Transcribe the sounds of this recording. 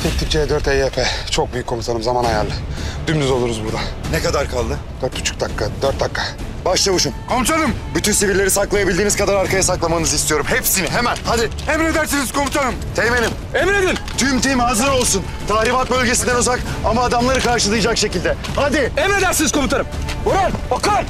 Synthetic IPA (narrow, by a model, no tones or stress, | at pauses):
t̪ʰɛkt̪ʰik̚t͡ʃʰejɛd̪øɾt̪ejɛpʰɛt͡ʃʰo̞k̚byjykʰːo̞mut̪ʰalˠɯmzamanajaɾlːʲɪd̪ymd̪yzo̞lˠuɾuzbuɾd̪anekad̪aɾkʰalˠd̪ɯ | d̪̥øɾt̪ʰut͡ʃʰu̥k̚d̪akʰːad̪øɾt̪̚d̪akʰːa | baʃlˠavuʃunkʰo̞mut͡ʃ̪ʰalˠɯmbyt̪ynsiviɾlʲe̞ɾisaklˠajabilʲd̪iːniz̥kad̪aɾaɾkʰajasaklˠamannɯzist̪ʰijoɾumɦepsiniɦemænhad̪ɪ | ɛmɾe̞d̪æɾsiniz̥kʰo̞mut̪ʰalɯmt̪ʰejme̞nʲim | emɾed̪ilʲt̪ʰymt̪ʰimhazɯɾo̞lˠsun | t̪ʰahɾibat̪̚bølʲɟe̞sind̪ænozakamaːd̪amlˠaɾɯkʰaɾʃɯlˠɯjd͡ʒakʃe̞cilʲd̪ɛhad̪ɪemɾe̞d̪æɾsiniz̥kʰo̞mut̪ʰaɾɯmbuɾaɾokaɾ